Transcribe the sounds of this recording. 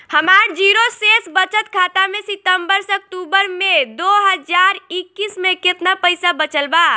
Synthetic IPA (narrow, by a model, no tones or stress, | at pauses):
həmaɾd͡ʒiɾosesbət͡ʃət̪kʰat̪amesit̪əmbəɾsək̚ʈ̪ubəɾmed̪oɦəd͡ʒaɾikːismeket̪napəjsabət͡ʃəlba